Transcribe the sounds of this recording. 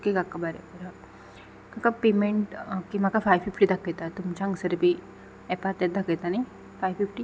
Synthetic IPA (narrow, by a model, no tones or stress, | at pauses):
kekakːabaɾḛbəɾa | kakapemeɳʈkimakafajfifʈid̪aket̪at̪umt͡ɕaə̃ŋɡsəɾbʱi | ɛpat̪ɛt̪̚d̪ʱaket̪anai | fajfifʈi